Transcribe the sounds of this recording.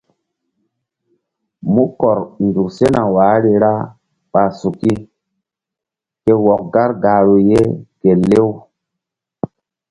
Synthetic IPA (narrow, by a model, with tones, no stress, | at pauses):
mu˦kɔ˨ɾndu˨kse˦na˨waː˨˦ɾi˨ɾa˦ | ɓa˨su˨ki˦ | ke˦wɔ˨k̚ɡa˦ɾɡa˨ɾu˨je˦ke˨le˦w